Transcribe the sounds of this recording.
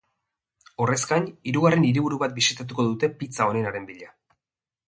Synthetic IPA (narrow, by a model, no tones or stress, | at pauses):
o̞re̞skaɲiɾuɣare̞niɾiβuɾuβat̪̚bisit̪at̪̬uko̞ðut̪e̞pit͡sao̞ne̞naɾe̞mbiʎa